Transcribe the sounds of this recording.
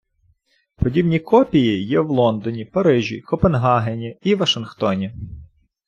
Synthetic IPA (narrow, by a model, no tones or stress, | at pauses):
pɔdʲibnʲikɔpʲijijɛwlˠɔnd̪ɔnʲipɐɾɪʒʲḭkɔpenɦɑɦenʲiiʋɐʃɪnxt̪ɔnʲi